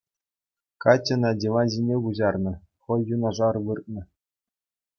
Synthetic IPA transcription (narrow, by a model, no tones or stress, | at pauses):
kɑtʲːɤ̆nɑdʲeʋɑʑinʲeɡuʑɑrnɤ̆ | χɤ̆jːunɑʐɑrʋɯrt̪̚nɤ̆